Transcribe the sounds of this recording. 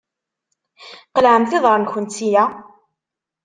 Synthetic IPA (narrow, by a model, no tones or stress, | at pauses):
qəlʕəmθɪðˤəɾˤnçənt̪ːija